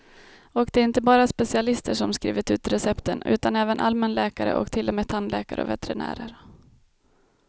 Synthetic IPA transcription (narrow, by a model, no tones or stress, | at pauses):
ɔkd̪ɛæɾɪnt̪əbɑːɾaspɛsɪalɪst̪əʂɔmskɾḭːvɪt̪ʉ̟ːt̪ɾɛsɛpt̪ənʉ̟ːt̪anɛːvənʔa̰lmɛnlɛːkaɾə̰ʔɔ̰kt̪ʰɪlːɔmeːt̪ʰːanlɛ̰ːkaɾʔə̰ɔ̰vɛ̰t̪ɛɾɪnæ̰ːɾəɾ